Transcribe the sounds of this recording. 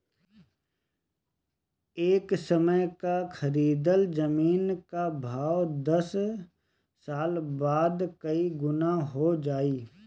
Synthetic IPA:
eːksəməjkakʰəɾiːd̪əld͡ʒəmiːnkabʱaːwd̪ɐs | saːlbaːd̪kəiɡʊnaɦod͡ʒaːiː

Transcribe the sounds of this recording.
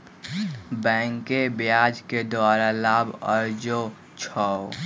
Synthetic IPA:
bɛ̃ːŋkebjad͡ʒked̪ʊwaːɾalaːbə̰ɾd͡ʒo | t͡ʃʰɔ

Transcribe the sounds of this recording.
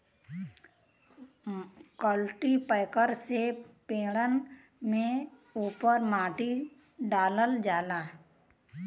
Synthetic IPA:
kəlʈipəɪkəɾsepẽːɽən | mẽ | uːpəɾmaːʈi | ɖaːləld͡ʒaːlaː

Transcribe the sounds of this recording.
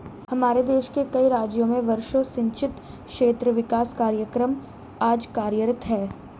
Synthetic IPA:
hɐmaːɾed̪eːʃkekɐiɾaːd͡ʒjõmẽʋɐɾʃõsɪ̃ɲt͡ʃɪt̪ | kʃeːt̪ɾəʋɪkaːskaːɾjəkɾəm | aːd͡ʒkaːɾjəɾət̪ɦɛː

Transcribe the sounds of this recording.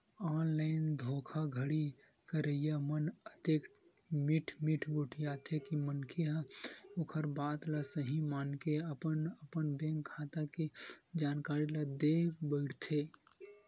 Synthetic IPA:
ɔːnlaɪnd̪ʱoːkʰaɡʱəɽi | kəɾəjamənət̪eːk | miʈʰmiʈʰbʱuʈʰijat̪ʰekimənkʰiɦãokʰəɾbaːt̪lasəɦĩmaːnkeəpənəpənbẽːŋkʰːat̪aked͡ʒaːnkaːɾilad̪ebəɪɽt̪ʰe

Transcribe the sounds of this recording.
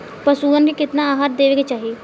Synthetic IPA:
pəsuːənɡikɪt̪naːaːɦaːɾ̚d̪eːʋeːket͡ʃaːɦieː

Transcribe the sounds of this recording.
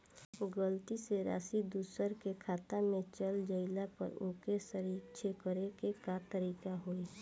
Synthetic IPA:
ɡəlt̪iseɾa̰ːsid̪uːsəɾkekʰaːt̪amẽt͡ʃəld͡ʒəɪlapə̰ɾũːkesəɾiːt͡ʃʰekəɾekekat̪əɾiːkaɦoi

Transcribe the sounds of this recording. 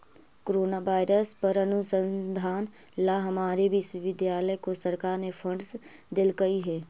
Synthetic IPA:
koɾoːnaʋaːɪɾəspəɾɐnʊsə̃nd̪ʱaːn | laɦɐmaːɾebʱiswiʋɪd̪jaːləkosəɾkaːɾnefʰəɳɖsd̪ɪlkɐiɦɛː

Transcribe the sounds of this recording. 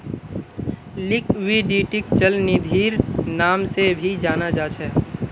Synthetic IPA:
lɪkʋiɖiːʈɪkt͡ʃəlnɪd̪ʱiːɾnaːmsebʱid͡ʒaːnad͡ʒaːt͡ʃʰɛ

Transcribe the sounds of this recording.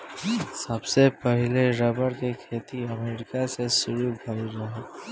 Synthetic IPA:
səbsepəɦɪleɾəbəɾkekʰeːt̪iɐmeːɾɪkasesʊɾubʱɐiɾɐɦe

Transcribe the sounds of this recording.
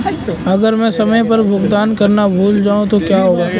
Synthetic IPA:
ɐɡəɾmɛ̃sɐməjpɐɾbʱʊɡd̪aːnkɐɾnabʱuːld͡ʒaːũt̪okjaːɦoːaː

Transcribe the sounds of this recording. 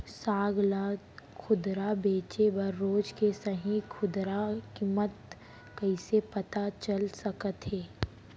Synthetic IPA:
saːɡla | kʰʊd̪ɾabeːt͡ʃebɐɾːoːd͡ʒkesɐɦĩkʰʊd̪ɾakimət̪̚ | kɐisepɐt̪at͡ʃəlsɐkət̪ɦeː

